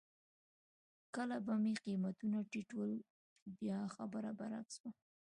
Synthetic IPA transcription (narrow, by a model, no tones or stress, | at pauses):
kəlabameqimat̪unaʈiʈwəl | bjɑxabəɾabaɾa̰kswa